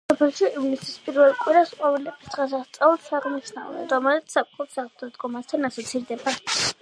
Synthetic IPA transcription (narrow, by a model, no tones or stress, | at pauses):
ssɔpʰɛlˠʃiʔivnisispʼiɾvɛlˠkʼwiɾasqʼɔvɛlɛbisd̪ʁasaχst̪sʼaulˠsaʁniʃna̰vnɛ̰nɾɔmɛlit̪ssap̚ʼχʰʼɔpsaʁd̪ad̪ɡɔmast̪ʰanasɔt̪sʰiɾd̪ɛba